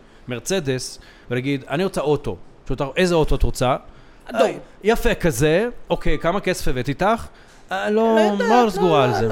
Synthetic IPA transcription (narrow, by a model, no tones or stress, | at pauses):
me̞ʁt͡se̞d̪e̞s | venaɡid̪aniʁot͡sao̞t̪o̞̰ʃut̪aʔejzeo̞t̪ot̪ʁot͡sa | jafekazeo̞ke̞jkamake̞sefeve̞t̪it̪aχ | lomasɡuʁaːlze